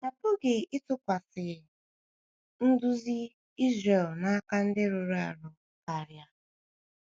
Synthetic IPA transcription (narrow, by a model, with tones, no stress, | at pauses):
na˨pʊ˦ɡe˨ɪ˦tʊ˦kʷa˨sɪ˨ | n̩˦dʊ˦zi˦ | i˦zɾe˨lna˦ka˦n̩˦dɪ˦ɾʊ˨ɾu˦a̰˨ɾʊ˨ | ka˨ɾja˦